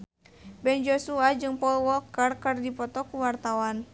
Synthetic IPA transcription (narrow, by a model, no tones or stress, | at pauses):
bɛnd͡ʒɔsuad͡ʒɨŋpɔlwɔkərkɨrdipɔt̪ɔkuwart̪awan